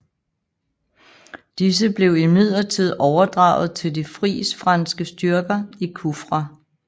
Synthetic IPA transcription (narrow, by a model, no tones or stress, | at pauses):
d̥is̬əb̥le̝ʊimið̰ˠɐt͡sʰið̞̰ˠɒʊɐd̥ʁɑ̈ʊð̞̩ˠt͡sʰe̝ld̥ifʁḭːsfʁɑ̈nsɡ̥əsd̥yɐɡ̥ɐikʰufʁɑ